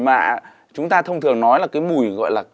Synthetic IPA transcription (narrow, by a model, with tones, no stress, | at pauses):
maː˨˩ | t͡ɕʊ˨˦ŋ͡mt̪aː˧t̪ʰə˧wŋ͡mt̪ʰɨ˨˩əŋnɔ˨˦jlaː˨˩kaː˨˦jmu˨˩jɣɔ̰˧˨jlaː˨˩